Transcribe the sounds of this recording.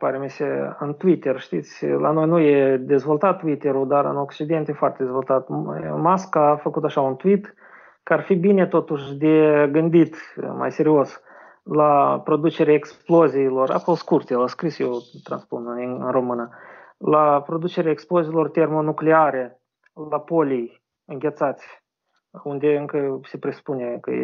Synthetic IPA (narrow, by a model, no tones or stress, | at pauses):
paɾemeseɨ̰nt̪uit̪erʃt̪it̪sʲla̰no̞jnujed̪e̞zvo̞lˠt̪at̪ːuit̪eɾud̪arɨno̞kt͡ʃid̪e̞nt̪jefoart̪ed̪e̞zvo̞lˠt̪at̪maskaːfəkut̪aʃaunt̪uit̪ | kəarfibine̞t̪o̞t̪uʃd̪eɡɨnd̪it̪ma̰jse̞ɾio̞s | lapɾo̞d̪ut͡ʃe̞ɾʲaeksplo̞ziːlo̞ra̰kolskurt̪elaskɾisjewt̪ɾa̰nspunɨnɨ̰nro̞mɨna | lapɾo̞d̪ut͡ʃe̞ɾʲeaeksploziːlo̞rt̪e̞rmonukleaɾe | lapo̞lʲij | ɨŋɡʲe̞t̪sat̪sʲ | und̪e̞ɨŋkəse̞pɾesu̥punekə̰